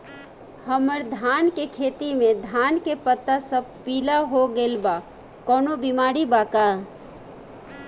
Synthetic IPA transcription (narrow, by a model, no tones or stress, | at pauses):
həməɾd̪ʱaːnkekʰeːt̪imẽd̪ʱaːnkepət̪ːasəb̚piːlaɦoɡelba | kɔːnobimaːɾibaːka